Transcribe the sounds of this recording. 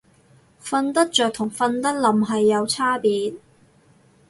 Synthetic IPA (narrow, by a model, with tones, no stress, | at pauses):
fɐ˧nt̪ɐ˥k̚t͡ʃœː˨k̚t̪ʰʊ˨˩ŋfɐ˧nt̪ɐ˥k̚lɐ˨mɦɐ˨jːɐ˨˧wt͡sʰaː˥piː˨˥t̚